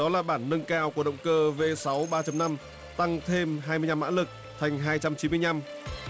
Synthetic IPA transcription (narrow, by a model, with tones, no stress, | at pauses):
ɗɔ˨˦laː˨˩ɓaː˧˩nːə˧ŋkaː˧wku˧˩əɗə̰˧˨wŋ͡mkəː˧ve˧sa˨˦wɓaː˧t͡ɕə˧mna˧m | t̪a˧ŋt̪ʰe˧mɦaː˧jmɨ˧əjɲa˧mːa̰ː˧˥lɨ˨˩k̚ | t̪ʰa˨˩jŋ̟ɦaː˧jt͡ɕa˧mt͡ɕi˨˦nmɨ˧əjɲa˧m